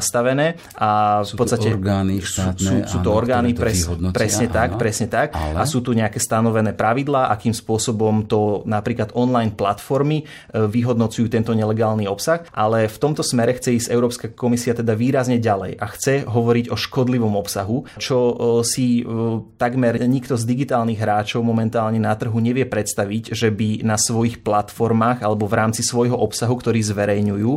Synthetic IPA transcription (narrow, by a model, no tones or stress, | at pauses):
st̪aʋɛnɛː | ʔafpɔt̪st̪acɛɾɡaniusuːt̪ɔɔɾɡaːnipɾɛpɾɾɛsɲɛt̪akpɾɛsɲɛt̪akasuːt̪uɲɛakɛːst̪anɔʋɛnɛːpɾaʋid̪laːʔakiːmspʊɔsɔbɔmt̪ɔnapɾiːklad̪ɔnlajnplat̪fɔɾmi | ʋiɦɔd̪nɔt͡sujuːt̪ɛnt̪ɔɲɛlɛɡaːlniɔpsaxʔalɛft̪ɔmt̪ɔsmɛɾɛxt͡sɛisɛʊɾɔːpskakɔmisiat̪ɛd̪aʋiːɾazɲɛɟalɛ̰jʔaxt͡sɛɦɔʋɔɾiɟɔʃkɔd̪liʋɔmɔpsaɦut͡ʃɔsit̪aɡmɛɾɲikt̪ɔzd̪iɡit̪aːlniɣɦɾaːt͡ʃɔʊmɔmɛnt̪aːlɲɛnat̪r̩ɦuɲɛʋɪɛpɾɛt̪st̪aʋiɟʒɛbinasʋɔjixplat̪fɔɾmaːɣalɛbɔvɾaːmt͡sisʋɔjɦɔʔɔpsaɦukt̪ɔɾiːzʋɛɾɛjɲujuː